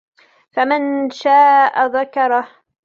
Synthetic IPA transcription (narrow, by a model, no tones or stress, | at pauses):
famɪnʃaːʔaðakɑɾˤɑh